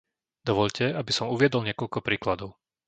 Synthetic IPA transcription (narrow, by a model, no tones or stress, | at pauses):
d̪ɔʋɔʎcɛabisɔmuʋɪɛd̪ɔlɲɪɛkɔʎkɔpɾiːklad̪ɔʊ